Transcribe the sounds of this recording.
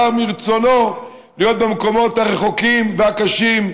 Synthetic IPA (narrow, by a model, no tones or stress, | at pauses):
amiʁt͡so̞no̞ | lijo̞t̪̚bemko̞mo̞t̪haʁeχo̞kimveakaʃim